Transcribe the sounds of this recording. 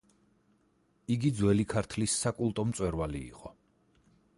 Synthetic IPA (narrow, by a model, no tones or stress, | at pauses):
iɡid̪zwɛlikʰaɾt̪ʰlisːakʼulˠt̪ʼɔmt̪sʼwɛɾvalḭːqʼɔ